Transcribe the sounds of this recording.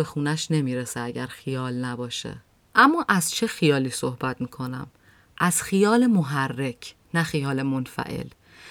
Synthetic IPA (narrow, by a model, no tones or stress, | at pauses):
exuːnæʃne̞miːɾeseæɟæɾxijɒːlnæbɒːʃḛ | ʔæmːɒːʔæz̥t͡ʃʰe̞xijɒːliːsohbæt̪miːkʰo̞næ̰m | ʔæz̥xijɒːle̞moɦærːe̞cʰ | næxijɒːle̞monfæ̰ʔḛl